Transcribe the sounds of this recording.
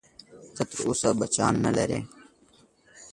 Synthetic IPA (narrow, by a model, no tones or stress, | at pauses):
kʰət̪ɾʊsaːbət͡ʃa̰ːnːə̰lḛɾḛː